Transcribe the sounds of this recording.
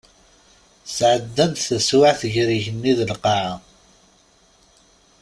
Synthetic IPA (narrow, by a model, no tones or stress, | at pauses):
sʕəd̪ːænt̪θəswaʕθʝɾiʝənːiðəlqɑʕa